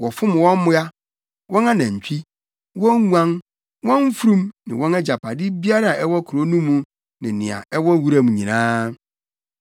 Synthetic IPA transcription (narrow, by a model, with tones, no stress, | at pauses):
wɔ˨fʊ˦mʊ̃˨wɔ̃˦m˦mʊ̃˦a˦ | wʔɔ̃˦nã˦nã˨ɲ̩˨t͡ɕᶣʰi˦ | wɔ̃˦ŋu˦ã˦n | wɔ̃˦ɱ˦fɾũ˦mnɪ̃˨wɔ̃˦nɛ˦d͡ʑa˨pʰa˨dɪ˦bi˦a˦ɾa˦˨a˨ʔɛ˦wɔ˦kʰɾo˦nũ˦mːũ˨˦ | nɪ̃˨nɪ̃˨a̰˨ɛ˦wɔ˦wu˦ɾa˦mũ˨ɲĩ˨nãː˦